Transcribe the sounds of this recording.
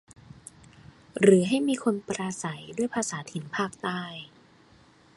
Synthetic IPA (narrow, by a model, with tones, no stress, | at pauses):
ɾɯː˩˦ɦa˥˩jmiː˧kʰo˧npɾaː˧sa˩˦jdu˥˩əjpʰaː˧saː˩˦t̪ʰi˩˦npʰaː˥˩k̚t̪aː˥˩j